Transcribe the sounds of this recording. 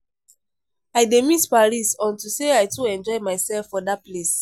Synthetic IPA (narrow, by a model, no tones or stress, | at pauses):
ajdemispaɹisɔ̃ntuseajtʰuɛ̃nd͡ʒɔɪmajsɛlfɔdat̚ples